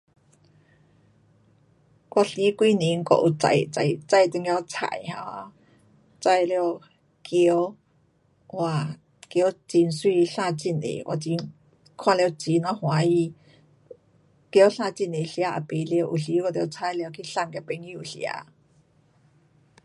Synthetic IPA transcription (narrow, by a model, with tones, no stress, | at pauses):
kwa˧˨ɬi˧˦kwi˧ni˨˧˦ŋ̩˧kɔ̰˧˨ʔu˨˩t͡sa̰˧jt͡sa̰˧˩jt͡sa˧jt̪ɨ˧ŋja˧t͡sʰa̰˧˨jha˧a˧˦ | t͡sa˥˧jl | kʰi˧ə˦w | wa˧˩ | kji˧˦wt͡si˧nswi˧ɬaː˥˧t͡ɕi˧˩nlḛ˨kwa̰˧˩t͡ɕi˧˦ | kʰwa˥˧˨lɛ˧t͡si˨˧˦na˧˦hw̃a˨˦i˧ | kɬa˥˧t͡ɕi˧˩ne˨ɬja˧ʔa̰˧˩pe˨˦li˧wʔu˨˩ɬi˧˦kljt͡sʰa˧˥jli˧kʰi˧ɬa˧ŋka˧pe˧˦ŋji˧u˨˩ɬja̰˧˦